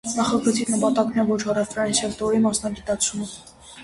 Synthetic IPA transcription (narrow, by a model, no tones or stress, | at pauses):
nɑχɑɡət͡sʰinəpɑt̪ɑknɛvɔt͡ʃʰɑrɛft̪ɾɑjinsɛlt̪ɔɾimɑsnɑɡit̪ɑt͡sʰumə